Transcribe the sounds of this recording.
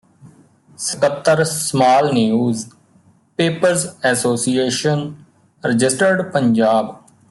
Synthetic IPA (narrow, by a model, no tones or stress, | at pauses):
səkət̪ːəɾsmaːlnijuːz | peːpəɾzɛːsoːsieːʃən | ɾɪd͡ʒɪsʈəɾɖpəɲd͡ʒaːb